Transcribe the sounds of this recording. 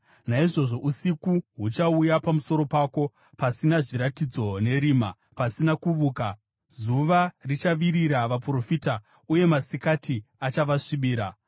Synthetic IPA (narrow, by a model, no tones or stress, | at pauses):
naiʐo̞ʐo̞ʔusikuɦut͡ʃaujapamuso̞ɾo̞paːko̞ | pasinaʐiɾatid͡zo̞ne̞ɾiːma̰ | pasinakuʋuːka | zuʋarit͡ʃaʋiɾiɾaʋapuro̞fiːta | uje̞masikatiat͡ʃaʋaʂiɓiːɾa̰